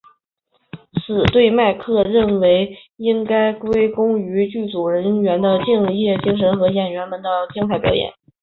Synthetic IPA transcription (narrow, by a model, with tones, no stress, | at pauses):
sɹ̩˨˩t̪we˥˧ɪma˥˧ɪkʰɤ˥˧ɻə˥˩nwe˧˥ɪi˥ŋka˥ɪkwe˥ɪkʊ˥ŋy˧˥t͡ɕy˥˩t͡su˨˩ɻə˧˥nɥɛ˧˥nd̪ə˧t͡ɕi˥˧ŋjɛ˥˩t͡ɕi˥ŋʂ̬ə˧˥nxɤ˧˥jɛ˨˩nɥɛ˧˥nmə˧˩nd̪ə˧t͡ɕi˥ŋt̪ʰa˥˩ɪpjɑ˨˥ʊjɛ̰˨˩˦n